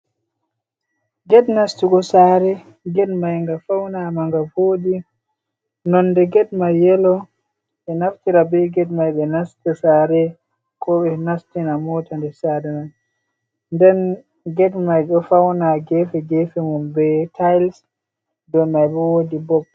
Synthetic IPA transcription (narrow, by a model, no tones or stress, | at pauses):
ɡɛdnastikɔsaɾɛ | ɡɛdmajŋɡafawnamaŋɡavoːɗi | nɔnːdɛɡɛdmajɛlɔ | ɓɛnaftiɾabɛɡɛdmajɓɛnastɛsaːɾɛ | kɔɓɛnastinamɔtandɛsadɛmaj | ndɛn | ɡɛdmajɗɔfawnaɡɛfɛɡɛfɛmumbɛtʰajls | dɔmajɓɛwodibɔb̚